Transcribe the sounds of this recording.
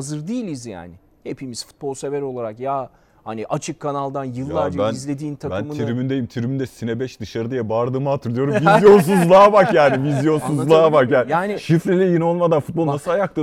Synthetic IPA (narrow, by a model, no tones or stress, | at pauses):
azɯɾd̪ijilʲizja̰ːnɪ | hepʰimiz̥fu̥t̪̚bo̞lˠse̞beɾo̞lˠaɾakja | haniʔat͡ʃʰɯkʰːanalˠd̪anjɯlˠːaɾdbænizlʲe̞d̪iːnt̪ʰabænmiɾmind̪ejimt̪ʰiɾimind̪ɛsinɛbɛʃd̪ɯʃaɾɯd̪ijɛbaɾd̪ɯːmaːt̪ʰɯɾlˠɯjo̞ɾumvizjo̞ns̬uzlˠabakjaːnivizjo̞nsuzlˠabakjaːnijaːniʃifɾʲilʲɛjino̞lˠmad̪anfut̪̚bolˠnasɯlajaklˠɯ